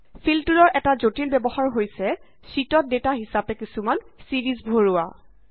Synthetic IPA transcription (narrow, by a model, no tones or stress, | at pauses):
pʰiltuɹɔɹʔɛtazotilbɛbɔxaɹɦojsɛ | sitɔt̚detaɦisapɛkisuman | siɹizbʱoɹua̰